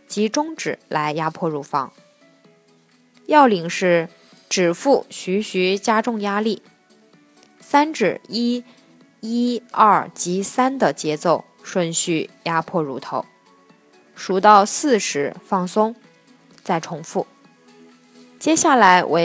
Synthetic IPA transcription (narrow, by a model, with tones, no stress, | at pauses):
t͡ɕi˧˥ʈ͡ʂʊ˥ŋʈ͡ʂɻ̩˨˩˦la˧˥ɪja˥pʰwɔ˥˩ɻu˧˥˩fɑ̰˧˥ŋ | jɑ˥˩ʊli˨˩ŋʂɻ̩˥˩ | ʈ͡ʂɻ̩˨˩fu˥˩ɕy˧˥ɕy˧˥t͡ɕja˥ʈ͡ʂʊ˥˧ŋja˥li˥˩ | sa˥nʈ͡ʂɻ̩˨˩i˥ | i˥ɐ˥˩t͡ɕi˧˥sa˥nd̪ə˨t͡ɕjɛ˧˥t͡so˥˧ʊ | ʂwə˥˧nɕy˥˩ja˥pʰwɔ˥˩ɻu˧˥t̪ʰo˧˥ʊ | ʂu˧˥t̪ɑ˥˧ʊsɹ̩˥˩ʂɻ̩˧˥fɑ˥˩ŋsʊ˥ŋ | t͡sa˥˩ɪʈ͡ʂʰʊ˧˥ŋfu˥˩ | t͡ɕjɛ˥ɕja˥˩la˧˥ɪwʔḛ˧˥